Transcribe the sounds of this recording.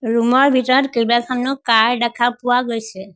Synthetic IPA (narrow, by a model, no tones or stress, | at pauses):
ɾumɔɾbʱiʈɔɾkejbakʰamnɔkaɾɖakʰapuʋaɡɔjt͡ʃʰe